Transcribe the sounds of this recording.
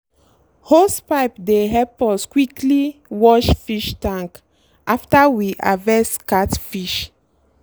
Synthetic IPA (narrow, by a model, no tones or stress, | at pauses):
hospaɪpdeɦɛpɔskwikliwɔʃfiʃtãŋk | aftawiʔavɛskatfiʃ